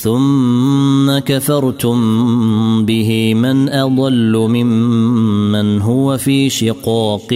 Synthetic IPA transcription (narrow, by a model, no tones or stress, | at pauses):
θʊmː | akaθɑɾˤt̪ʊm | bɪɦɪmanʔɑd̪ˤɑlːʊmɪmː | anɦʊwafiːʃɪqɑːq